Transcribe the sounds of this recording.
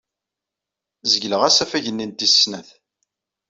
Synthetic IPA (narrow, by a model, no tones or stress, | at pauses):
zəʝləʁæsæfæʝənːint̪isnæθ